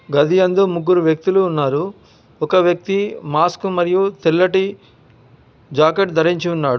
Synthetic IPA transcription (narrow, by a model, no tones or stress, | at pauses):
ɡɐd̪ʱijɐnd̪umuɡːuɾuʋjɐk̚t̪iluːnːaːɾu | ɔkɐʋjɐk̚t̪imaːskumɐɾijut̪ilːɐʈi | d͡ʒaːkeʈd̪ʱɐɾiɲt͡ʃiunːaːɽ